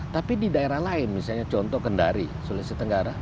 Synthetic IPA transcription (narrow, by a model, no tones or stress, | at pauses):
t̪apididaeɾahlaɪnmisalɲat͡ʃɔnt̪ɔhkənda̰ɾisulɪsət̪əŋɡaɾa